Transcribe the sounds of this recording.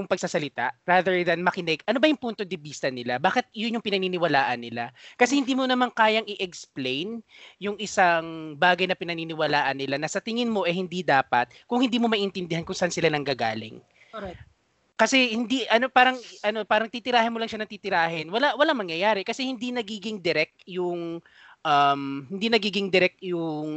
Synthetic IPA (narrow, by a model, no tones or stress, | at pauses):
jʊŋpɐɡ̚sasɐlɪt̪a̰ɾaːðɛɹðɐnmɐkɪnɛɡʔɐnobɐjʊŋpunt̪od̪ɪbiːst̪ɐnɪlabaːkɪt̪̚jʊnjʊŋpɪnɐniːnɪwɐlaːʔɐnːɪlakɐsɛhɪnd̪iːmonɐmaŋkaːjɐŋɪʔɛksplejnjʊŋɪsaŋbaːɡɐjnɐpɪnɐniːnɪwɐlaːʔɐnːɪlanɐsɐt̪ɪŋɪnmo̞ʔɛhɪnd̪id̪aːpɐt̪̚kʊŋhɪnd̪iːmo̞mɐʔiʔɪnt̪ɪnd̪ɪhankʊŋsɐʔansɪlanɐŋɡaɡa̰ːlɪ̰ŋ | kɐsɛhɪnd̪iʔɐno̞paːɾɐŋʔɐno̞paːɾɐŋt̪it̪ɪɾaːhɪnmolɐŋʃanɐŋt̪ɪt̪ɪɾaːɦɪnwɐlaʔwɐlaŋmɐŋjɐjaːɾɛkɐsɛhɪnd̪inɐɡiːɡɪŋd̪ɪɾɛk̚t̪jʊŋ | ʔɐmhɪnd̪inɐɡiːɡɪŋd̪ɪɾɛk̚t̪jʊŋ